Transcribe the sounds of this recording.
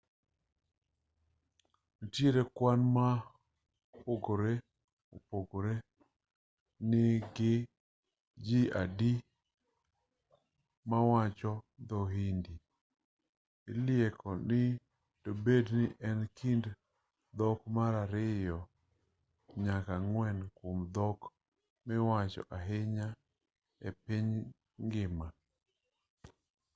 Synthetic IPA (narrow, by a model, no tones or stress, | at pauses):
notjeɾekwanma | poɡoɾe | o̰poɡoɾe | nɪɡɪ | d͡ʒia̰di | mawat͡ʃɔd̪ɔɦindi | ɪljekʰɔnɪ | tobednɪʔɛnkʰind | d̪ɔkmaɾaɾɪjɔ | ɲakaŋwɛnkomd̪ɔk | mɪwat͡ʃɔ̰ʔaɦɪɲa | epiɲ | ŋɡɪma